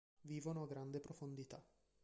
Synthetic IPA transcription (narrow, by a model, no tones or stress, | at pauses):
viːvonoaɡɾand̪epɾofond̪it̪a